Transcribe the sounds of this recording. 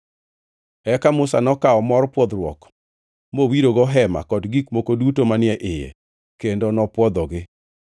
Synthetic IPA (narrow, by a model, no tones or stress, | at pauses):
ɛkamʊsanɔkaɔmɔɾpwɔd̪ɾwɔ̰k | mowiɾoɡɔɦɛma̰kɔdɡikmokodutomanɪɛʔɪjɛ̰ | kendonɔpwɔd̪ɔɡɪ